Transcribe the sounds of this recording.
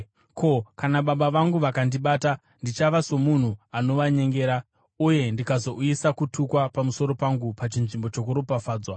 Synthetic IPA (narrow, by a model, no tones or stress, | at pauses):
kʰo̞kanaɓaɓaʋaŋɡuʋakandiɓaːta | ndit͡ʃaʋaso̞mun̤uano̞ʋaɲe̞ŋɡe̞ːɾa | uje̞ndikazo̞ʔujisakutʰukwapamuso̞ɾo̞paŋɡupat͡ʃinʐimbo̞t͡ʃo̞kuɾopafaːd͡zwa